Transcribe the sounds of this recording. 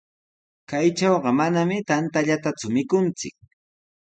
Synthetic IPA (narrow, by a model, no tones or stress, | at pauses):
kajt͡ʃɑwɢɑmanamɪt̪ant̪aʎat̪at͡sʊmɪkʊnt͡sɪ̰k̚